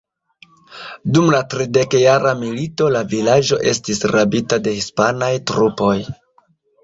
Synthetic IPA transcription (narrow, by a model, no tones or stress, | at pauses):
dumlatɾide̞kjaɾamilito̞lavilad͡ʒo̞ʔe̞stisɾabitade̞hispanajtɾupo̞j